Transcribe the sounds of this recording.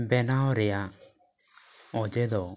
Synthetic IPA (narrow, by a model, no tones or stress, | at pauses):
bɛnaɔɾɪa | ɔd͡ʒedɔ